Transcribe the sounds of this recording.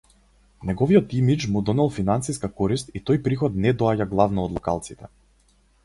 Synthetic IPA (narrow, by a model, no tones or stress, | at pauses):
nɛɡɔvijɔt̪imit͡ʃmud̪ɔnɛlˠfinansiskakɔɾist̪it̪ɔjpɾixɔt̪nɛd̪ɔaɟaɡlˠavnɔːd̪lˠɔkalˠt̪sit̪ɛ